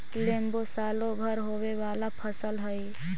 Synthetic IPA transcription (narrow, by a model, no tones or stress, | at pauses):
leːmbosaːlõbʱəɾɦoːweʋaːlapʰəsəlɦəi